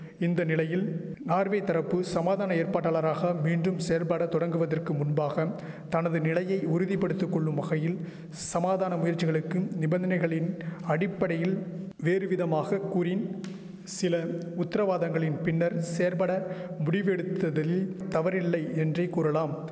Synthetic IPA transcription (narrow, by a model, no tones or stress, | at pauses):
ɪnd̪ɐnɪlɐjɪlnaːɾʋɐɪt̪ːɐɾɐpːɯsɐmaːðaːnɐeːɾpaːʈːaːɭɐɾaːɣɐmiːndɯmseːɾpaːɽɐt̪ːɔɽɐŋɡɯʋɐðɐrkɯmʊnbaːɣɐ | t̪ɐnɐðɯnɪlɐjɐɪʊɾɯðipːɐɽɯt̪ːɯkːɔɭːɯmʋɐɣɐjɪl | sɐmaːðaːnɐmʊjɐɾt͡ʃːɪɣɐɭɯkːɯnɪbɐnd̪ɐnɐɪɣɐɭɪnɐɽɪpːɐɽɐjɪl | ʋeːɾɯʋɪðɐmaːɣɐkuːɾɪn | sɪlɐʊt̪ːɐɾɐʋaːðɐŋɡɐɭɪnpɪnːɐɾseːɾpɐɽɐmʊɽɪʋɛɽɯt̪ːɐðɐlt̪ɐʋɐɾɪlːɐɪɛndrɐɪkːuːɾɐlaːm